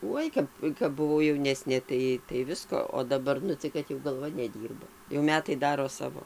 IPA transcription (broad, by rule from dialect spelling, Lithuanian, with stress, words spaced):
ˈuɔj kɐp kɐp bʊˈʋɐʊ jɛʊˈnʲæːsʲnʲeː tɐɪ tɐɪ ˈʋʲɪskoː oː dɐˈbɐr ˈnʊ tɐɪ kɐt jɛʊ ɡɐlˠˈʋɐ nʲɛˈdʲiːrbɐ jɛʊ ˈmʲæːtɐɪ ˈdɑːroː ˈsɑːʋoː